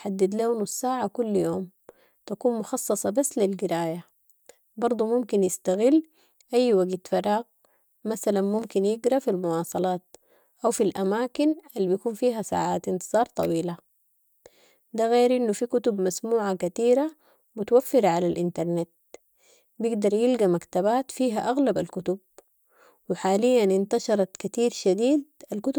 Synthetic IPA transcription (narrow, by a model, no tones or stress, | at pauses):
ħad̪ːɪd̪laːnusːaːʕakulːjoːm | t̪akuːnmʊxɑsˤːɑsˤɑbasːlɪlɡɪɾaːja | bɑɾˤd̪ˤumʊmkinjɪst̪aɣɪlː | ʔajːwaɡt̪fɑɾˤɑːɣ | masalanmʊmkinjɪɡɾafilmʊwɑːsˤɑlɑːt̪̚ | ʔawfilʔamaːkinʔalːibijakuːnfiːɦasa̰ːʕaːt̪ʔɪnt̪ɨz̥ˤɑːɾˤt̪ˤɑ̰wiːla | d̪aɣeːɾʔinːufikʊt̪ubmasmuːʕakat̪iːɾa | mʊt̪awafːɪɾaʕalalʔɪnt̪ɑɾˤnet̪̚ | bjɪɡd̪ɑɾˤjɪlɡamakt̪abaːt̪fiːɦaʔaɣlabalkʊt̪ʊb̚ | wɪħaːlijːanɪnt̪ɑʃɑɾˤɑt̪kat̪iːɾʃad̪iːd̪̚ʔalkʊt̪